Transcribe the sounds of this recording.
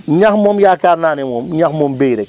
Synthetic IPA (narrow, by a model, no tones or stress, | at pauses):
ɲaxmɔːmjaːkaːɾnaːnimɔːmɲaxmɔːmbejɾɛk